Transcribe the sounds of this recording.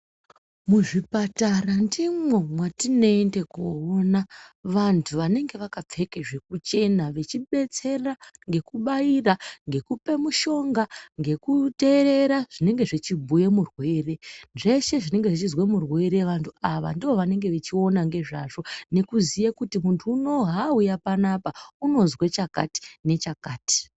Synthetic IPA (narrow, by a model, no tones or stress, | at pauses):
muʐipatarandimwe̞mwatino̞ːnde̞koonaʋantʰuʋane̞ŋɡe̞ʋakap͡fe̞keʐe̞kut͡ʃe̞naʋe̞t͡ʃiɓe̞t͡se̞raŋɡe̞kuɓairaŋɡe̞kupe̞muʃo̞ŋɡaŋɡe̞kute̞ɾe̞ɾaʐ̥ine̞ŋɡe̞ʐit͡ʃibʱujemurwe̞ːre̞nʐe̞ʃe̞ʐine̞ŋɡe̞ʐit͡ʃizwemurwe̞ɾe̞ʋantʰuaʋa̰ndiʋo̞ʋane̞ŋɡe̞ʋet͡ʃio̞naŋɡe̞ʐaʐo̞ne̞kuzijakutimuntʰuːno̞ɦaujapanapauno̞zwet͡ʃaka̰ti̥ne̞t͡ʃakaːti̥